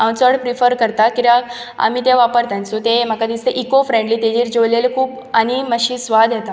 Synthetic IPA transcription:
awt͡səɽpɾifəɾkəɾt̪akiɾaɡ | a̰m̤it̪eʋapəɾt̪ãnt͡sut̪em̤akad̪ist̪eʔikofɾẽɳɖliːt̪ed͡ʑiːɾd͡ʑolelkʰuːp | añiməɕiːsʋad̪ʱjet̪a

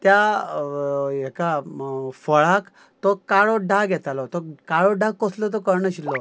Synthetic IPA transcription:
t̪ja | ɛkafəɭak | t̪ɔkaɭɔɖaɡʱɛt̪alɔt̪ɔkaɭɔɖakkɔslɔt̪̬ɔkəɾɳəɕilːɔ

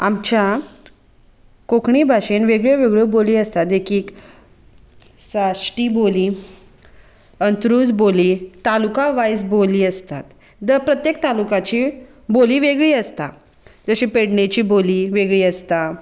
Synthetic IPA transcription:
amt͡ɕja | kokɳibʱaɕenʋeɡɭjəʋeɡɭoboliːəst̪at̪d̪ekʰiːk | saʂʈiːboliː | ənt̪ɾuːd͡zbolit̪alukaʋajsboliːəst̪at̪ | d̪əpɾət̪jek̚t̪alukat͡ɕiː | boliːʋeɡɭiːəst̪a | d͡zəɕiːpeɽɳet͡ɕiːboliːʋeɡɭiːəst̪a

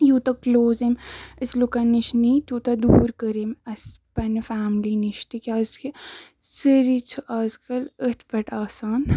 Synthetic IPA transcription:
juːt̪ɐkloːziməslukɐniʃniːt̪uːt̪ɐd̪uːɾkəɾimɐspɐnfaːmliniʃt̪ikʲazkʰisəɾit͡sʰuʔɐːzkɐlət̪ʰpɐʈaːsaːn

